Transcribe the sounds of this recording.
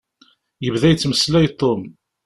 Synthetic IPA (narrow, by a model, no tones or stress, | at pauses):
jəvðæjt͡sːməslæjt̪ˤːom